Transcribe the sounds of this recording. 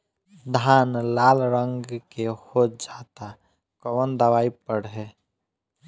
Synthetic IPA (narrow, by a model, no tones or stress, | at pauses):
d̪ʱaːnlaːlɾəŋɡkehot̚d͡ʒat̪a | kəwənd̪əʋaːipəɽɦɛ